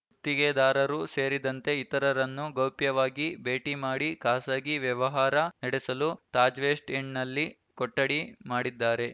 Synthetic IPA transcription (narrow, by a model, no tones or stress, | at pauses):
ut̪ːiɡed̪aːɾɐɾuseːɾid̪ɐnt̪e̞it̪ɐɾɐɾɐnːuɡɐwpjɐʋaːɡibe̞ːʈimaːɽikaːsaːɡiʋjɐʋɐɦaːɾɐnɐɽesɐlut̪aːd͡ʒʋeːsʈeɳnɐlːi | kɔʈːɐɽimaːɽid̪ːaːɾe̞